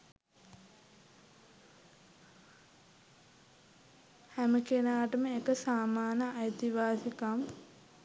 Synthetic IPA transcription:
hæməkenaːʈəməekəsaːmaːnəajt̪iʋaːsikam

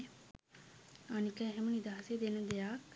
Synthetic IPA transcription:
anikɛɦɛmənid̪aːsed̪eːnəd̪eaːk

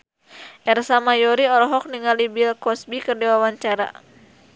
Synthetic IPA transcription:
ʔɛrsamajɔɾiɔɾɔɦɔk̚niŋalibilkɔsbikərdiwawaɲt͡ʃaɾa̰

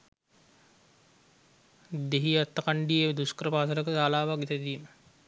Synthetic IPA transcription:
d̪eɦiat̪ːəkaɳɖied̪uskɾəpaːt̪ələkəsaːlaːʋaɡit̪ed̪iːmə

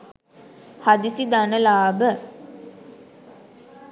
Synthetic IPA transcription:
had̪isid̪anəlaːbə

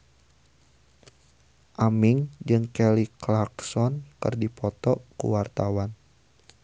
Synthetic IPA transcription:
ʔamiŋd͡ʒɨŋkɛliklaksɔnkɨ̰rdipɔt̪ɔkṵwart̪awan

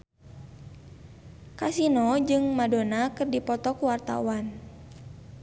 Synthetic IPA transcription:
kasinɔd͡ʒɨŋmadonakɨrdipɔt̪ɔkuwart̪a̰wan

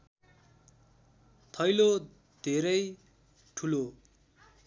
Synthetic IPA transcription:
t̪ʰʌjlo | d̪ʱeɾʌj | ʈʰulo

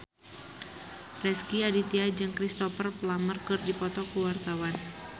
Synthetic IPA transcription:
rɛskiadit̪iad͡ʒɨŋkɾist̪ɔfərplamərkɨrdipɔt̪ɔkuwart̪awan

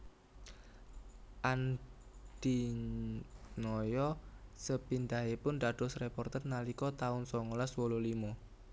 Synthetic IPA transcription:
ʔand̪̥i | nɔjɔsəpind̪aepʊnd̪ad̪̥ɔ̤srepɔrt̪ərnalikɔt̪aʊnsɔŋolaswɔlolimɔ

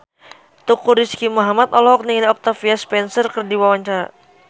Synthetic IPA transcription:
t̪ukuɾiskimɔɦamat̪ɔlɔɔk̚niŋliɔk̚t̪afiaspɛnsərkərdiwawaɲt͡ʃaɾa̰

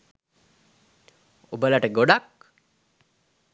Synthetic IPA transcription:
obəlaʈəɡoɖak

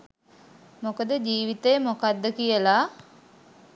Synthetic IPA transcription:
mokəd̪əd͡ʒiːʋit̪əjəmokad̪ːəkijəla

